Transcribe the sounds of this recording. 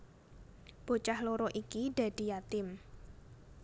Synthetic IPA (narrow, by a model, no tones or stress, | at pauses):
b̥o̤t͡ʃahloɾɔʔikiɖ̥ä̤d̥i̤jat̪ɪm